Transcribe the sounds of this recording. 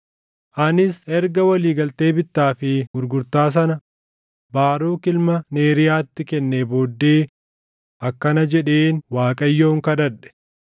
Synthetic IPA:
ʔɐnɪsɛɾɡɐwɐliːɡɐlt̪e̞ːbɪt̪ːaːfɪɡʊɾɡʊɾt̪aːs̬ɐnɐ | baːɾoːkɪlmɐne̞ːɾɪjaːt̪ːɪkɛnːeːboːd̪ːeː | ɐkːɐnɐd͡ʒɛᶑeːnwaːkʼɐjːo̞ːŋkɐd̪ɐᶑɛ̥

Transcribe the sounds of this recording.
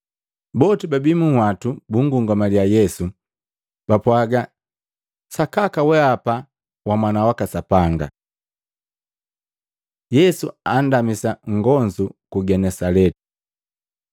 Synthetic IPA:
bɔtibabimuhwatubuŋɡuŋɡamaljajɛsu | b̥apwaɡa | sakakawɛapa | wamwanawakasapaŋɡa̰ | jɛsuandamisaŋ̩ɡɔnd͡ʒukuɡɛnɛsalɛti̥

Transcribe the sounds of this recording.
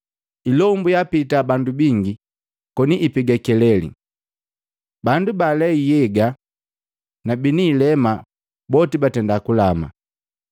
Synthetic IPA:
ilɔmbujapitabandubiŋɡi | kɔniʔipiɡɛkɛlɛlḭ | bandubalɛijɛɡa | nabiniːlɛma | bɔtibatɛndakulama̰

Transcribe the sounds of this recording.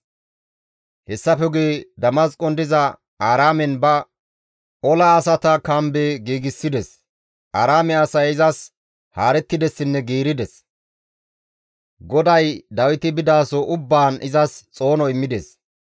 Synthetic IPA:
hɛsːɐfɛɡeːd̪ɐmɐskʼɔnd̪ɪzɐ | aːɾaːmɛnbɐ | ʔɔlɐːsɐt̪ɐkɐmbeːɡiːɡɪsːɪd̪ɛs | ʔaːɾaːmɛɐsɐjɪzɐs | haːɾɛt̪ːɪd̪ɛsːɪnːɛɡiːɾɪd̪ɛs | ɡɔd̪ɐjd̪ɐwɪt̪ɪbɪd̪aːsɔʔʊbːaːnɪzɐst͡sʼo̞ːnɔɪmːɪd̪es

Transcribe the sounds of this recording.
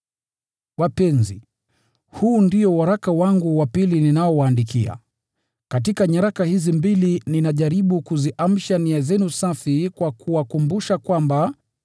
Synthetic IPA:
wapɛnzi | huːndiɔwaɾakawaŋɡuwapilininaɔwaːndikia̰ | kat̬ikaɲaɾakahizimbilininaʄaɾiɓukuziʔam̩ʃaniazɛnusafikwakuwakumbuʃakwamba

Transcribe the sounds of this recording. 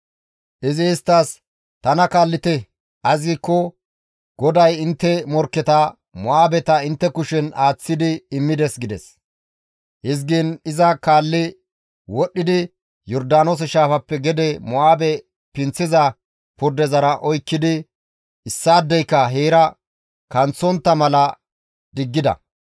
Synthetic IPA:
ʔɪzɪɪst̪ːaːs | t̪ɐnɐkaːlːɪt̪ɛ | ʔɐzɪkːɔ | ɡ̥ɔd̪ɐjɪnt̪ːɛmɔɾkːɛt̪ɐ | mɔʔaːbɛt̪ɐɪnt̪ːɛkʊʃɛnaːt͡sːɪd̪ɪɪmːɪd̪ɛsɡɪd̪ɛs | hɪzɡiːnɪzɐkaːlːɪ | wɔɗːɪd̪ɪ | jɔɾd̪aːnoːs̬ɛʃaːfɐpːɛɡɛd̪ɛmɔaːbɛ | pɪnt͡sːɪzɐ | pʊɾd̪ɛzɐɾɐʔɔjkːɪd̪ɪ | ɪsːaːd̪ːɛjkːɐɦeːɾɐ | kɐnt͡sːɔnt̪ːɐmɐlɐ | d̪ɪɡːɪd̪ɐ̰

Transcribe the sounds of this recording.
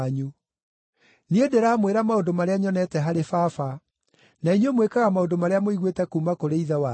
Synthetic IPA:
ɲu | niedeɾamweɾamaondomaɾeaɲɔnɛtɛɦaɾefafa | nainemwekaɣamaondomaɾeamoiɣwetɛkuːmakoɾeiðawa

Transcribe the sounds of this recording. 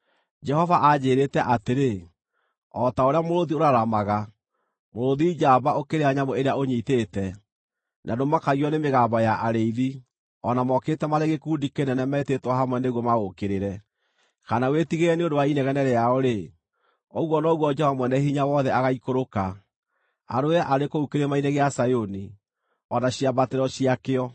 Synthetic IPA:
d͡ʒɛhɔvaʔad͡ʑeːɾetɛʔateɾe | ɔtaoɾeamoɾoðioɾaɾamaɣa | moɾoðid͡ʒabaokeɾeaɲamoeɾeaoɲiːteːtɛ | nʔadomakaɣiɔnemeɣambɔjaʔaɾeiði | ɔnamɔketɛmaɾeɣekuːndikenɛnɛmɛetetwahamwɛneɣwɔmaɣokeɾeɾɛ | kanawetiɣeɾɛneondowainɛɣɛnɛɾɛaɔɾe | ɔɣwɔnɔɣwɔd͡ʒɛvamwɛnɛhiɲawɔðɛaɣaikoɾoka | a̰ɾoɛʔaɾekoukeɾemaineɣeasajoni | ɔnaɕiabateɾɔɕiakeɔ

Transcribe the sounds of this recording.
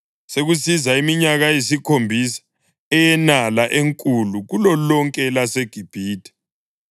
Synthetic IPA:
seɣusizaimiɲaɣajisikʰombʱisḁ | ɛjɛnalaʔeŋkʼuluɣulɔlɔŋkʼɛlaseɡ̥ʱib̥ʱiːtʰʼɛ̥

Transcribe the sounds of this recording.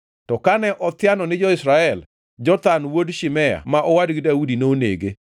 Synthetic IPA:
tɔkanɛʔɔt̪ɪjanɔnɪd͡ʒɔɪsɾaɛl | d͡ʒɔt̪anwodʃɪmɛja̰maʔɔwadɡɪdaudinoonḛɡe

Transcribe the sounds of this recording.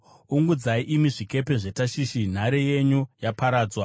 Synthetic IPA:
uŋɡud͡zaiʔimiʐike̞pe̞ʐe̞taʃiʃin̤aɾeje̞ɲujapaɾaːd͡zwa

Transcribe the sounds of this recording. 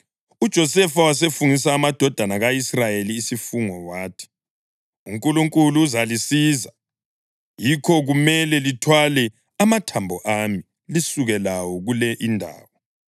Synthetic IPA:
ud̥ʒ̥ʱɔsɛfawas̬efuŋis̬aːmad̥ʱɔd̥ʱanaɣaisrajeliːsifuŋɔwaːtʰi̥ | uŋkʼuluŋkʼuluːzalisiːza | jikʰɔɣumɛlɛlitʰwalɛ | amatʰambʱɔʔami | lisuɣɛlawɔɣulɛʔindʱa̰ːwɔ

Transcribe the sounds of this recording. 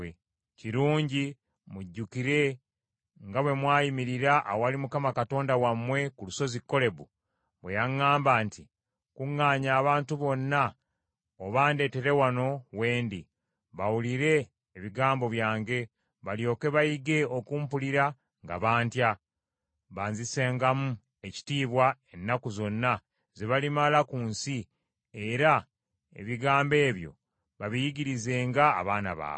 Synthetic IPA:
e | ciɾuːɲɟi | muɟːukiɾe̞ | ŋɡawe̞mwaːjimiɾiɾaʔːwalimukamakato̞ːndawamːwe̞kuluso̞zikːo̞le̞βu | βwe̞jaŋːaːmbaːnti | kuŋːaːɲaːβaːntuβo̞nːa | oβaːnde̞ːte̞ɾe̞wano̞we̞ːndi | βawuliɾe̞ː | βiɡaːmbo̞βjaːŋɡe̞ | βaljo̞ːke̞βajiɡe̞o̞kuːmpuliɾa | ŋɡa̰βaːntja | βaːnzise̞ːŋɡamu | e̞ci̥tiːβwae̞nːakuzo̞nːa | zeβalimalakuːnsi | eɾa | ḛβiɡaːmbe̞ːβjo̞̰ | βaβijiɟiɾize̞ːŋɡa̰ːβaːna̰βa̰ː

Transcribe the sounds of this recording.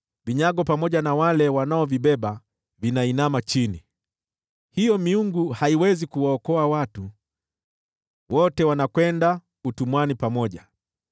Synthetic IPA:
viɲaɠɔpamɔʄanawalɛwanaɔviɓɛɓa | vinainamat͡ʃini | hijɔmiuŋɡuhaiwɛzikuwaɔkɔawatu | wɔtɛwanakwɛnda | utumwanipamɔʄa

